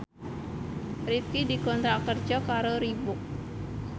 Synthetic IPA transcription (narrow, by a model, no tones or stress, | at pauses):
rif̚kidikɔnt̪ɾakərd͡ʒɔkaɾoɾibʊk̚